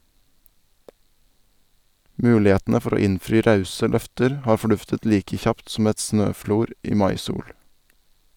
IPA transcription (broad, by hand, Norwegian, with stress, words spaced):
ˈmʉːlɪˌheːtnə ˈfɔɾ ˈoː ˈɪnfɾiː ˈɾɑʉsə ˈlœftəɾ ˈhɑːɾ fɔˈɖʉftət ˈliːkə ˈçɑpt sm̩ ˈɛt ˈsnøːˌfluːɾ ˈiː ˈmɑɪˌsuːɽ